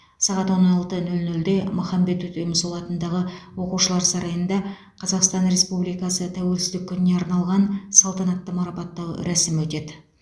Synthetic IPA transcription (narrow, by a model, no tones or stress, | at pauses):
sɑʁɑt̪wo̞nɑlˠt̪ənɵlnɵld̪e̞mʊχɑmbe̞t̪wɵt̪emʊsolˠɑt̪ənd̪ɑʁəwo̞quwʃəlˠɑɾsɑɾɑjənd̪ɑ | qʰɑzɑqst̪ɑnɾe̞spublijkɑsət̪ʰæwe̞lsɪzd̪ɪkʲʰːʏnɪne̞ɑɾnɑlˠʁɑnsɑlˠt̪ɑnɑt̪ːəmɑɾɑpɑt̪ːɑw̰ɾæsɪmwɵt̪e̞d̪ɪ